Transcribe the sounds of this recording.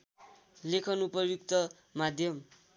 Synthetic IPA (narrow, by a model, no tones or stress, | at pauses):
lekʰʌnupʌjukt̪ʌ | mad̪ʱjʌm